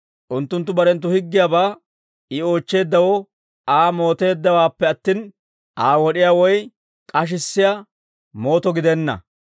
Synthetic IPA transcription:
ʔʊnt̪ːʊnt̪ːʊbɐɾɛnt̪̬ːʊhɪɡːɪjabaː | ɪo̞ːt͡ʃːe̞ːd̪ːɐwɔ | aːmo̞ːt̪e̞ːd̪ːɐwaːpːɛɐt̪ːiːn | ʔaːwɔɗɪjaːwɔj | kʼɐʃ̬ɪsːɪja | mo̞ːt̪ɔɡɪd̪ɛnːɐ̰

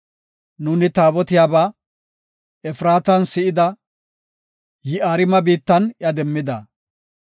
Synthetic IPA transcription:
nuːnɪt̪aːbɔt̪ɪjaːbaː | ɛfɾaːt̪ɐnsɪʔɪd̪ɐ | jɪʔaːɾɪmɐbiːt̪ːɐnjɐd̪ɛmːɪd̪ɐ̰

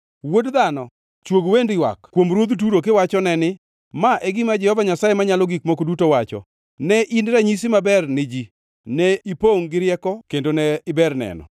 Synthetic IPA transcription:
wodd̪anɔ | t͡ʃwoɡwendɪwa̰kkwomɾwod̪ut̬uɾokɪwat͡ʃɔnɛnɪ | maʔɛɡɪmad͡ʒɛhɔvaɲasajemaɲalɔɡikmokodutowat͡ʃɔ̰ | nɛʔinɾaɲis̬imabɛrnɪd͡ʒi | nɛipoŋɡɪɾjɛkɔkendonɛɪbɛrnɛ̰nɔ̰

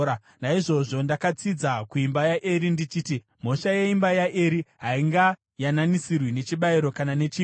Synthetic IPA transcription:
a | naiʐo̞ʐo̞ndakat͡sid͡zakuimbajaʔeɾindit͡ʃiːti | m̤o̞ʃaje̞imbajaʔeɾiɦaiŋɡa | jananisirwine̞t͡ʃiɓaiɾo̞kanane̞t͡ʃi

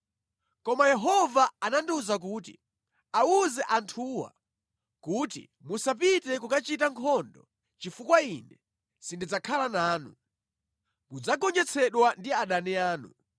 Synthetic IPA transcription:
kɔmajɛɦɔvaanandiuzak̬uːtḭ | auzɛʔantʰuːwa̰ | kuːtḭ | musap̬itɛkukat͡ʃitaŋkʰɔndɔ | t͡ʃifukwainɛ | sindid͡zakʰalanaːnṵ | mud͡zaɡɔɲd͡ʒɛt͡sʰɛɗwandiaɗanɛaːnṵ

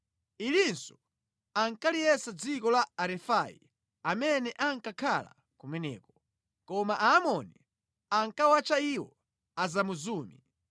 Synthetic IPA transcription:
ilinsɔ | aŋkalijɛsad͡zikɔlaaɾɛfajḭ | amɛnɛʔaŋkakʰala̰ | kumɛnɛ̰ːkɔ | kɔmaʔaːmɔni | aŋkawat͡ʃaiwɔ | azamuzuːmi

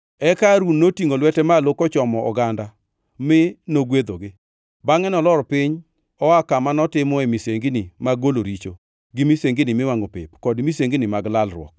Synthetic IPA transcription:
ɛkaɾunnːotiŋolwɛtɛmalokɔt͡ʃɔmɔʔɔ̰ɡanda | mɪnoɡwed̪oɡɪ | baŋɛnɔlɔɾɔpɪɲ | ɔakamanɔtɪmɔemiseŋɡinimaɡoloɾit͡ʃo | ɡɪmiseŋɡɪnɪmɪwaŋopɪ̰pkɔdmiseŋɡinɪmaɡlalrwɔ̰k

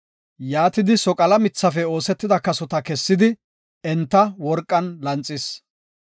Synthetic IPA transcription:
jaːt̪ɪd̪ɪsɔkʼɐlɐmɪt͡sːɐfɛo̞ːsɛt̪ːɪd̪ɐkɐsɔt̪ɐkɛsːɪd̪ɪ | ɛnt̪ːɐwɔɾkʼːɐnlɐnt͡sʼːɪs

